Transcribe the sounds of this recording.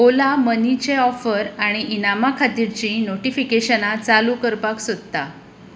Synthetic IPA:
olamənit͡ɕeɔfəɾaɽ̃iʔinamakʰat̪iɾt͡ɕinoʈifikeɕənat͡salukəɾpaksod̪t̪a

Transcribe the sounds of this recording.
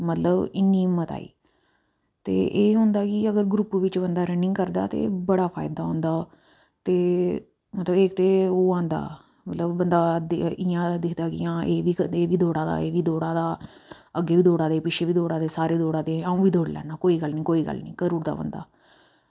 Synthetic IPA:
mət̪ləbɪnːiːmət̪a̰ːḭː | t̪ḛːʔeːɦʊ̃nd̪aːkɪəɡəɾɡɾʊpʋɪt͡ʃbənd̪aːɾənɪ̃ŋɡkəɾd̪a̰ːt̪ḛːbəɽaːpʰaːɪd̪aːɦõːnd̪aː | t̪eː | mət̪ləbeːkt̪eːoːãːnd̪a̰ː | mət̪ləbːənd̪aːd̪ɪjãːd̪ɪkʰd̪aːkɪ̰jãːeːʋiːeːʋiːd̪oːɽaːd̪a̰ːeːʋiːd̪oːɽaːd̪aː | əɡeːʋiːd̪oːɽaːd̪eːpɪt͡ʃʃʰeːʋiːd̪oːɽaːd̪eːsaːɾeːd̪oːɽaːd̪eːaũːʋiːd̪oːɽlɛ̰ːnaːkoːiːɡəlnĩːkoːiːɡə̰lnĩːkəɾuːɾd̪a̰ːbə̰nd̪a̰ː

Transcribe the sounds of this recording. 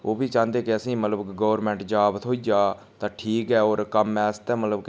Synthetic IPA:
oːbiːt͡ʃãːnd̪eːkɪəsĩːmət̪ləbɡɔːʋɾmɛ̃ːɳʈd͡ʒaːbt̪ʰɦoːiːd͡ʒaːt̪ãːʈʰiːkɛːoːɾkəmɛːst̪ɛ̃ːmət̪ləb

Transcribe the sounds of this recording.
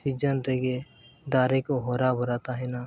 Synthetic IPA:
sid͡ʒənɾeɡe | d̪aːɾekoɦoːɾabəɾaːt̪aɦɛnaː

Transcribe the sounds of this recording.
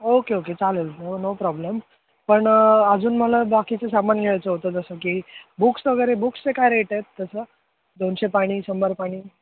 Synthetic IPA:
okeoket͡saləlnonopɾɔblem | pəɳəd͡zuːnməlabakit͡sesamənɡʱeɭajt͡səɦot̪əd͡zəsəkibuksʋəɡəjɾebukst͡sekajɾeʈəjt̪ːəsə | d̪onɕepaɽ̃iːsəmbəɾpaɽ̃iː

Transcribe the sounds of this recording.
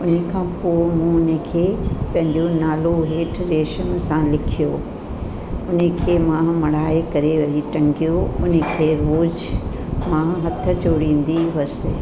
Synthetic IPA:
ʊnə̆kʰãːpoːmũʊnəkʰeːpɐ̃ɦɪ̃ɲd͡ʑonaːloɦeːʈʰɾeːʃəm̆sãlɪkʰijoː | ʊnə̆kʰeːmãːmɐɽ̤aːekɐɾeʋɐɾiʈɐ̃ŋɡijoʊnə̆kʰeːɾoːz | mãːɦɐt̪ʰə̆d͡ʑoɽĩːn̆d̪iʋɐsɪ

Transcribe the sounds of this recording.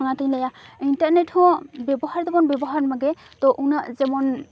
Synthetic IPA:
aŋat̪ilajaintaɾnɛthubɛbɔhaɹd̪ɛmɔnbɛbɔɦaɹmaɡɛ | t̪ɔʔunaʔzɛmɔn

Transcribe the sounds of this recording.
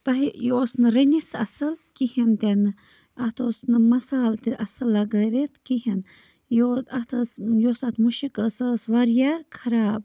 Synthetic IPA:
t̪ɐɦijoːsnɨɾenʲist̪ɐsɐlkihint̪enɨ | ɐt̪osnɨmɐsaːlt̪iʔɐsɐlːɐɡɐɾet̪kiɦin | joɐt̪ʰəːsjosat̪muʃikəːsəːsʋɐɾjakʰɐɾaːb̚

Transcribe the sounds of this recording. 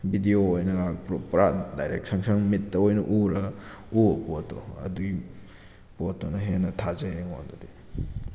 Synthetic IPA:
bidioːjnɐɡapɾopɾadajɾḛk̚saŋsɐŋmitːɐojnɐʔuɾɐ | upotːo̰ɐ̰dui | potːonɐɦenɐtʰazeŋondodi

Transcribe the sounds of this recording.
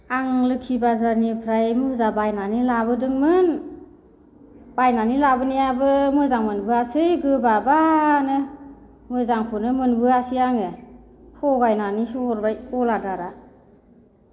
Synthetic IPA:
aŋlɯkʰibazanipʰɾajmuzabajnanilabɯdɯŋmɯn | b̥ajnanilabɯnijabɯmɯzaŋmɯnbɯasɯjɡɯbabanɯ | mɯjzaŋpʰɯnɯmɯnbɯasijaŋe | hʰɔɡajnanisɔhɔɾbajɔladaɾa

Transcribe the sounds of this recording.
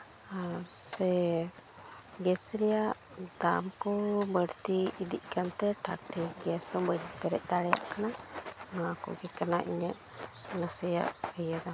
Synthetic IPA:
a | sɛ | ɡɛsɾɛjaʔ | d̪amkɔbəɽt̪iːd̪iʔ̚ˀkant̪ɛʈʰa̰ɾʈiɡɛsɔbəɽbəɾɛ̰ʔ̚ˀd̪aɽɛja̰ʔkanamakɔ̰ɡɛkanaʔḭɲəʔ | nasəja̰ʔəjad̪a

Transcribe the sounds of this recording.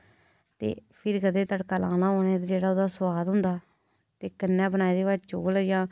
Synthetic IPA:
t̪ḛːpʰɪɾkəd̪ẽːt̪əɽkaːlã̰ːnãːɦoːnẽːt̪aːd͡ʒeːɽaːoːd̪aːsʊʋaːd̪ɦʊnd̪aː | t̪eːkənːɛ̃ːbənaːiːd̪eːʋaːd͡ʒt͡ʃoːljãː

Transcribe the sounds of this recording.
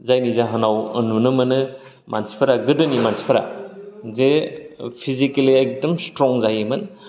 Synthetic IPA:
zajnizaɦanawɐ̰nunɯmɯnɯ | mansi̥pʰɐɾaɡɯdɯnimansi̥pʰɐɾa̰zepʰizikeliajk̚dɐmstɾɔŋzajemɯn

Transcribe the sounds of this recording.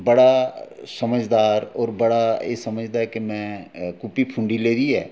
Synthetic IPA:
bəɽaːsəməd͡ʒd̪aːɾɔːɾbəɽaːḛːsəməd͡ʒd̪aːɦɛːkemɛ̃ːkʊpːiːpʰʊ̃ɳɖiːleːd̪iːɛː

